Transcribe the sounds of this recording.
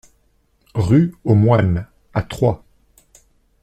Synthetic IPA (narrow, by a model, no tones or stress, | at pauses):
ʁyomwan | at̪χwa